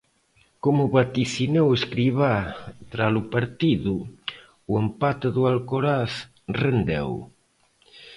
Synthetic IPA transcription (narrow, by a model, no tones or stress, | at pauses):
komʊβat̪iθineweskɾiβat̪ɾalupaɾt̪iðuː | empat̪eðualkoɾaθ | rend̪ɛ̰w